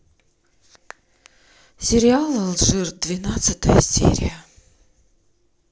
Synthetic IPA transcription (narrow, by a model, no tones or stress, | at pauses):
sʲɪɾʲɪalˠəlˠʐɨrd̪vʲɪnat̪sɨt̪əjəsʲḛɾʲɪ̰jə